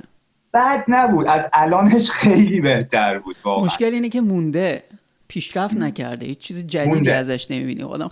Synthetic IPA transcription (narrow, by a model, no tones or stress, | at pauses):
b̥æd̪næbuːd̪æzʔælɒːneʃxejliːbeht̪ʰæɾbuːd̪vɒːmoʃceliːnecʰe̞mund̪e̞ | pʰiːʃɾæft̪næcʰæ̰ɾd̪ehiːt͡ʃt͡ʃʰːiːzid͡ʒædnːd̪æzæʃne̞mḭbḭːnḭɒ̰d̪æ̰m